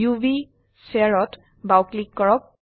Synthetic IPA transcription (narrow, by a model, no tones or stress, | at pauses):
jubi | sɛaɹɔt | bawklikːɔɹɔk̚